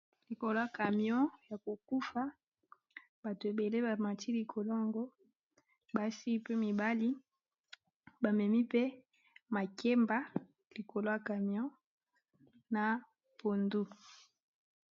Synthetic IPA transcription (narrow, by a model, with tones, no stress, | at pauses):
li˨ko˨lo˦ja˨ka˨mjɔ̃˦ja˨ko˨ku˦fa˦ | ba˨to˨e˨be˨le˦ba˨ma˨ti˦li˨kʰo˨lo˦a˨ŋɡo˦ | ba˨˦si˦pe˦mi˨ba˦li˦ | ba˨mɛ˨mi˦pe˦ | ma˨kʰe˦mba˦ | li˨ko˨lo˦ja˨ka˨mjɔ̃˦ | na˨ | po˨ndu˦